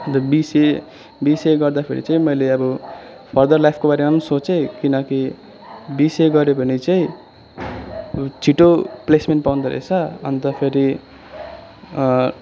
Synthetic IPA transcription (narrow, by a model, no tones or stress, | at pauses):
t̪ʌbise | biseɡʌrd̪apʰḛɾḭt͡saĩmʌjleʌbʌ | pʰʌrd̪ʌrlajpʰkobaɾemansot͡sekinʌki | biseɡʌɾepʌnit͡saĩ | t͡sʰiʈoplesmenʈpawnd̪ʌɾḛt͡sʰʌʌnt̪ʌpʰeɾi